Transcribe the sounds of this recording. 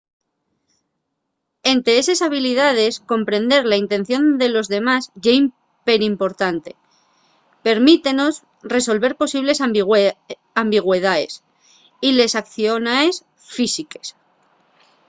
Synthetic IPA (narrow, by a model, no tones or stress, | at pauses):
e̞nt̪ɾeesesaβ̞ilið̞að̞e̞sko̞mpɾe̞nd̪e̞ɾlaint̪e̞n̟θjo̞nd̪e̞lo̞zðe̞masʝeim | pe̞ɾimpo̞ɾt̪ant̪e̞ | pe̞ɾmit̪e̞no̞s | re̞so̞lβe̞ɾpo̞siβ̞le̞s | ambiɣ̞we̞ð̞ae̞̰s | ile̞sakθjo̞naes | fisike̞̥s